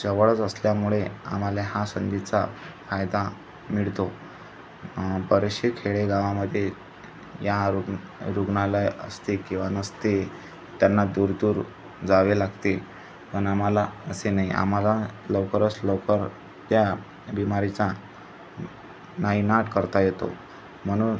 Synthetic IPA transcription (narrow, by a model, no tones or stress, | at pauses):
səʋəɭət͡səsljamuɭea̰m̤alaɦasənd̪it͡safajd̪a | miɭt̪o | bəɾəɕekʰeɭeɡaʋaməd̪ʱːje | jaɾɾuɡnalajə̰st̪ekĩw̃ʋanəst̪e | t̪janːad̪uɾd̪uːɾ | d͡zaʋelaɡt̪e | pəɳam̤alaəsenaiʔa̰m̤alaləwkəɾət͡sləkəɾ | t̪ja | bimaɾit͡sa | naɦinaʈkəɾt̪ajet̪o̰ | m̤əɽ̃uːn